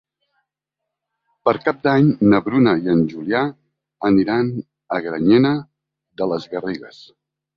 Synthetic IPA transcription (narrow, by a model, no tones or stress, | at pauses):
pəɾkap̚d̪aɲnəβɾunəiənʲʒulia | əniɾan | əɣɾəɲɛnə | ðələzɣəreɣəs